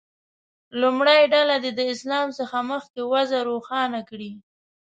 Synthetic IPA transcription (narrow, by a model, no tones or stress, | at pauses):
lumɽajɖalad̪ed̪əɪslɑmsəxaməxkewazaɾoxɑnakɽi